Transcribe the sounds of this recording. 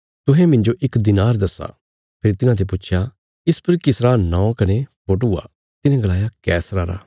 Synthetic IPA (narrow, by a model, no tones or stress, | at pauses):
t̪ʊɦɛ̃mɪ̃nd͡ʒoʔɪkd̪ɪnaːɾd̪ɐsːa̰ː | pʰɪɾit̪ɪnãt̪ʰepʊːt͡ʃʰja | ɪspɐɾkɪsɾanãːõkɐnepoːʈ̬ʊa̰ | t̪ɪnẽɡɐlaːjakɛːsɾaɾa̰ː